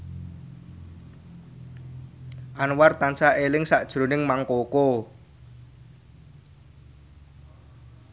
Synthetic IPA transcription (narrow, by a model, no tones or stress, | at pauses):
ʔanwart̪ansaʔelɪŋsaʔd̥ʒ̥ɾo̤nɪŋmaŋkoko